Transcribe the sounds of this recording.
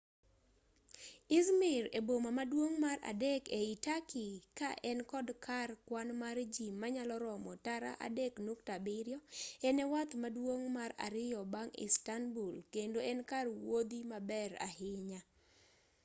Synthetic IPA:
ɪzmɪɾebomamadwoŋmaɾa̰dekeitakɪkaʔɛnkɔdkʰarkwanmard͡ʒimːaɲalɔɾɔmɔtaɾa̰ʔa̰deknuktabɪɾjɔɛnɛwat̪madwoŋmaɾa̰ɾɪjɔbaŋɪ̰stanbulkendoɛnkarwod̪imabɛɾa̰hɪɲa

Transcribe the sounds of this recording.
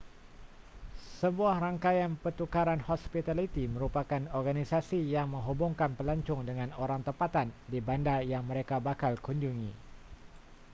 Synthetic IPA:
səbuahraŋkajanpət̪ukaɾanhɔspit̪alit̪iməɾupakanɔrɡanisasijaŋməŋɦubʊŋkanpəlaɲt͡ʃʊŋdəŋanoɾaŋt̪əpat̪andibandajaŋməɾekabakalkuɲd͡ʒuŋi

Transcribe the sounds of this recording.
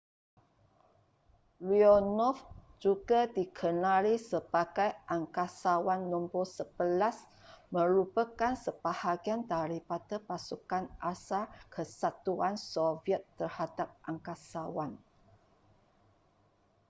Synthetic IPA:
lionɔfd͡ʒuɡadikʰənãlisəb̥aɡajʔaŋkasawanːumbosəb̥əlas | mə̃ɾupəkansəb̥ahaɡiandaɾipadəpasukanʔasakʰəsat̪uansoviət̪ːərhadap̚ʔaŋkasawan

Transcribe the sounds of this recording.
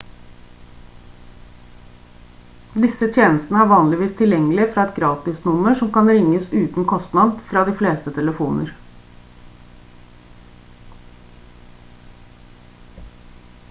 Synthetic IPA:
d̪ɪsət̪ʰjeːnəst̪n̩əæɾʋɑːnlɪʋiːst̪ʰɪljɛŋːəlɪəfɾɑːɛt̪ɡɾɑːt̪ɪsnʊməʂɔmkɑnɾɪŋːəsʉːt̪n̩kʰɔst̪nɑd̪fɾɑːd̪iːfleːst̪ət̪ʰɛləfuːnʔə̰ɾ

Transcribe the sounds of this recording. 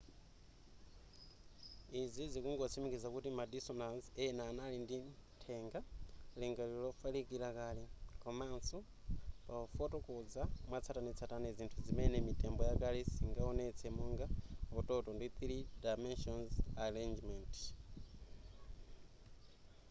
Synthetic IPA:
izizikuŋɡɔt͡sʰimikizakutimadisɔnasɛnaːnalinditʰɛŋɡaliŋɡalilɔfalikilakalikɔmansu | paɔfɔtɔkɔd͡zamwat͡sʰatanit͡sʰatanɛzintʰuzimɛnɛmitɛmbɔjakalisiŋɡaɔnɛt͡sʰɛmuŋɡaɔtɔtɔndit̪iɾidajmɛnʃɔnzaɾend͡ʒmɛnt

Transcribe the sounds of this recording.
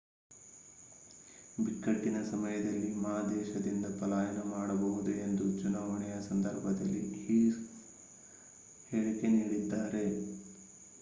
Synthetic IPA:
biʈkːɐʈːinɐsɐmɐjɐd̪ɐlːimaːd̪ɛːʃɐd̪ind̪ɐpɐlaːjɐnɐmaːɽɐbɐɦud̪ue̞nd̪ut͡ʃunaːʋɐɳɛjɐsɐnd̪ɐɾbʱɐd̪ɐlːḭhiː | heːɭike̞niːɽid̪ːaːɾe̞

